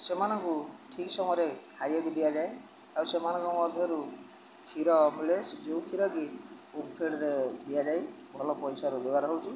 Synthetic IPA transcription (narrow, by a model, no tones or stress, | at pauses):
semanɔŋkuʈʰiksɔŋɔɾekʰajaɡud̪ijad͡ʒaj | awsemanɔŋkɔkuɔd̪ʱɔɾu | kʰiɾɔpulesd͡ʒewkʰiɾɔɡi | ukpʰeɖɔɾed̪ijad͡ʒaj | bʱɔlɔpɔjsaɾud͡ʒoɡaɾɔɦɔwt͡ʃʰi